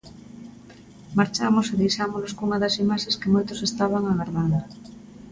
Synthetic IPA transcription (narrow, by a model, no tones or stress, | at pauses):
maɾt͡ʃamoseðejʃamonoskuŋɐðɐsimaʃeskemojt̪ʊsest̪aβ̞aŋaɣaɾðand̪ʊ